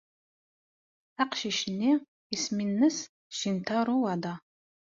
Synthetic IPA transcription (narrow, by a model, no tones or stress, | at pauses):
aqʃɪʃni | isminːɨs | ʃintʰaɾuwaːdaː